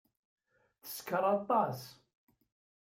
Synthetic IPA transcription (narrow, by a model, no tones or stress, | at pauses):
θə̥skəɾˤɑt̪ˤːɑs